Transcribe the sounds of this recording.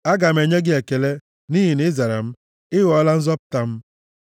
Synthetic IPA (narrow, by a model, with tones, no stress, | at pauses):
a˦ɡa˨m̩˨e˨ɲe˦ɡɪ˦e˨ke˨le˦ | ni˦ɦi˨ne˦za˨ɾa̰˨m̩˦ | ɪ˦ɣɔ˦la˦n̩˦zɔ˦pʊ̥˨ta˨m̩˦